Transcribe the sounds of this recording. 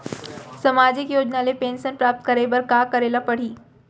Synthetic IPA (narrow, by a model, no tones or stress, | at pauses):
səmad͡ʑikjoːd͡ʑnalepensənpɾap̚t̪̚kəɾebəɾkakəɾelapəɽ̤iː